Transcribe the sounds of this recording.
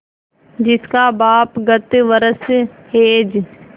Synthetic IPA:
d͡ʒɪskaːbaːpɡət̪ʋəɾəsɦeːd͡ʒ

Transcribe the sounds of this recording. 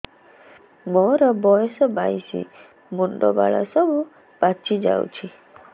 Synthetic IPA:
mɔɾɔbɔjɔsɔbajsḭ | munɖɔba̰ɭa̰sɔbu | b̥at͡ʃʰid͡ʒa̰w̰t͡ʃʰi

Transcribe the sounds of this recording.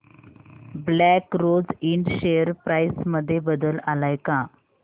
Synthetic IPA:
blækɾod͡ziɳɖɕejəɾpɾajsməd̪ʱːjebəd̪əlalajka

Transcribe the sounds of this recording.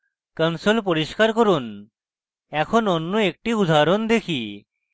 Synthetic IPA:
kənsolpoɾiʃkaɾkoɾun | ɛkʰononːoek̚ʈiud̪ʱaɾond̪ekʰi

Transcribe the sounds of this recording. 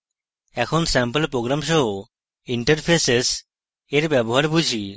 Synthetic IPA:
ɛkʰonsɛmpəlpɾoɡɾamʃɔɦo | iɳʈəɾpʰeses | eɾbɛboɦaɾbud͡ʑʱi

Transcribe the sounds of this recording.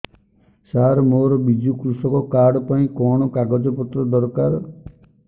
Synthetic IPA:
saɾmoɾɔbid͡ʒukɾusɔkɔkaɽɔpaĩkɔɽ̃ɔkaɡɔd͡ʒɔpɔt̪ɾɔd̪ɔɾkaɾ

